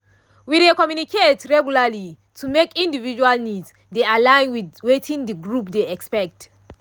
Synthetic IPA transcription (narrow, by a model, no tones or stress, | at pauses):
widekɔmjunikʰetɹɛɡjulali | tʰumekĩndivid͡ʒualnidz | dealãɪ̃nwidwetʰĩndəɡɹupdeɛkspɛk̚t